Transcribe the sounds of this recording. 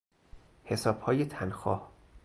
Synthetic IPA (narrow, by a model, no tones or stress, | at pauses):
he̞sɒːb̥hɒːjet̪ʰænxɒ̰ːh